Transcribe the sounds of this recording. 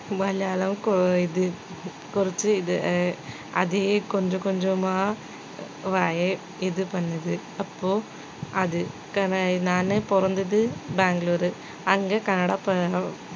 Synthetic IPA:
ʋɐljaːlɐmkiðɨ | kurit͡ɕːɨið | ɐ̰ðikoɲd͡ʑokoɲd͡ʑomaː | ʋaːje | iðɨpɐnːɐðɨ | ɐpːoː | ɐðɨ | kɐnnaːnepɔrɐnd̪iðɨbaːŋɡloːɾɨ | ɐŋɡekɐnɐɽapɐ

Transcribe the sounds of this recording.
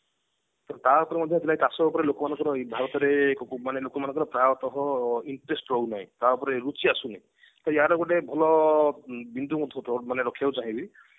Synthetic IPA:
t̪ɔt̪apɔɾimɔd̪ʱjɔɦt̪ilajt̪asɔbɔpɔɾelokɔmanɔŋkɔɾɔibʱaɾɔt̪ɔɾekɔmanelokɔmanɔ̃ŋkɔɾɔpɾajɔt̪ɔɦɔiɳʈɾesʈɾɔunaɦḭ̃t̪apɔɾeɾut͡ʃiasũnaj | t̪ɔjaɾɔɡɔʈebʱɔlɔ | bind̪umɔd̪ʱɔɔmaneɾɔkʰjawt͡ʃaɦĩbi

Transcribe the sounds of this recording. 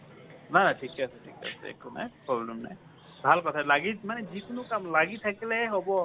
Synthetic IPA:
nanatʰikɛasɛtʰikɛa̰sɛ̰ḛkʰuna̰jpɹɔblɛmna̰j | bʱalkɔtʰalaɡimanɛzikʊnʊkamlaɡit̪ʰakilɛɦɔbɔ

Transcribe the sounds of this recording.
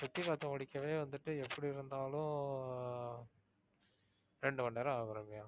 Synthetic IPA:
sɐt̪ːisaːt̪ːɐ̃ʋɐɽɪkːɐʋeːʋɐnd̪ɯʈːɯɛpːɐɽiɪɾɯnd̪aːlʊ̃ | ɾɛɳɖɯmɐɳɖɐːɾɐaːbɐɾɐmɪja

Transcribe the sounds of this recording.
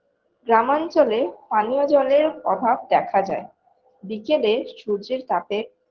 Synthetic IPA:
ɡɾamant͡ɕolepanijod͡ʑɔleɾɔbʱab̚d̪ɛkʰad͡ʑa̰e | bikeleʃuɾd͡ʑeɾt̪ape

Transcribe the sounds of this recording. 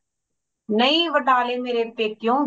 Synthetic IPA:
nəiːʋəʈaːleːmeːɾeːpeːkɪjõː

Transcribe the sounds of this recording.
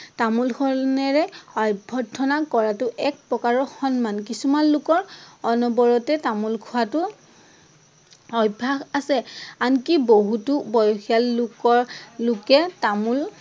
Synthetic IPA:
tamulkʰɔnɛɹɛɔjbʱɔtʰːɔnakɔɹatʊʔɛk̚pɹɔkaɹɔxɔnmankisumanlʊkɔɹɔnɔbɔɹɔtɛtamulkʰuwatʊ | ɔjbʱaxasɛankiboɦutubɔjɔxʰialːʊkɔɹlʊkɛtamul

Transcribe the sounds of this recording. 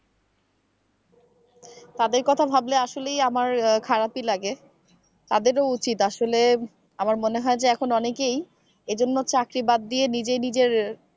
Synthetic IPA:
t̪ad̪eɾkɔt̪ʰabʱableaʃolejamaɾkʰaɾapilaɡe | t̪ad̪eɾout͡ɕit̪aʃole | amaɾmoneɦɔed͡ʑeɛkʰonɔnekej | ed͡ʑonːot͡ɕakɾibad̪ːienid͡ʑejnid͡ʑeɾ

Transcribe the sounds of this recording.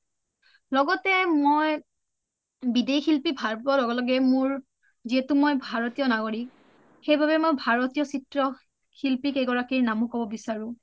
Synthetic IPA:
lɔɡɔtɛmoj | bidexilpibʱaɹpɔlɔɡɔlɔɡɛmʊɹ | ziɦɛtumojbʱaɹɔtijɔnaɡɔɹik̚ | xejbʱabɛmojbʱaɹɔtijɔsitɹɔ | xilpikeɡɔɹakiɹnamʊkɔbɔbisaɹʊ̃

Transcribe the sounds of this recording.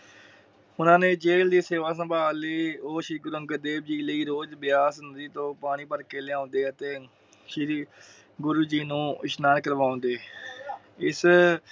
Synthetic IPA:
ʊnãːnẽːd͡ʒeːld̪iːseːʋaːs̬ə̃mbʱaːleːoːʃɾiːɡʊɾuə̃ŋɡəd̪eːb̚d͡ʒiːləiːɾoːd͡ʒbɪjaːsnd̪iːt̪õːpaːɽ̃iːpəɾkeːlɪãːnd̪eːət̪eː | ʃiɾ | ɡʊɾuːd͡ʒiːnũːɪʃnaːnkəɾʋãːnd̪eː | ɪs

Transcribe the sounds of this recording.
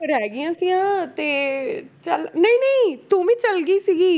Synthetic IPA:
əɾɛːɡɪjãːsijãːt̪eːt͡ʃəlnəĩːnəĩːt̪uːʋĩːt͡ʃəlɡiːsiːɡiː

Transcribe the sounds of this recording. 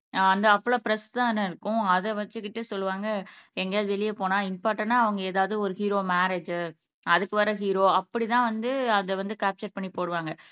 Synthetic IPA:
ɐnd̪ɐːpːɔɭopɪɾɐst̪ãːɛnːɐɪɾɯkːʊ̃ɐðɛʋɐt͡ʃːɯkːɪʈːɯsɔlːɯʋaːŋɡɐɛŋɡɐjaːðɯʋɛɭɪjɐpoːnãːɪnpaːʈːɐnːaːɐʋɐŋɡɐeːðaːʋɐðɯɔɾɯhiːɾoːmaːɾed͡ʒ | ɐðɯkːɯʋɐɾɐɦiːɾoːɐpːɐɽit̪ãːʋɐnd̪ɯɐnðɐʋɐnd̪ɯkaːp̚t͡ʃɐɾpɐɳːipoːɽɯʋaːŋɡɐ

